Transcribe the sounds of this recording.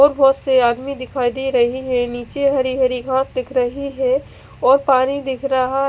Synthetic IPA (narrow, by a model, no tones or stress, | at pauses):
ɔːɾbʱɔːt̪seaːd̪mid̪ɪkʰaːid̪iɾɐɦiɦɛniːt͡ʃeɦɐɾiɦɐɾiɡʱãːsd̪ɪkʰɾɐɦiɦɛ | ɔːɾpaːñid̪ɪkʰɾaɦa